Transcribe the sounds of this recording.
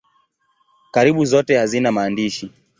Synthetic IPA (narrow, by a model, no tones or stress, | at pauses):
kaɾiɓuzɔtɛhazinamaːndiʃi